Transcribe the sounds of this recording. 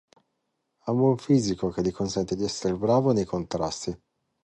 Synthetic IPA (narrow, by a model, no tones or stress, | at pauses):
amuuɱfiːzikok̟elːikonsɛnt̪ed̪iɛsːeɾebɾaːvonejkont̪ɾast̪i